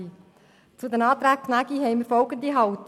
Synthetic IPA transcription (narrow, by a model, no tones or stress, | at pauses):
i | t͡sud̪ɛnɑːt̪ɾæːk̚kʰnæɡ̥iɦɛɪməɾfɔlɡənd̪iɦɑwt̪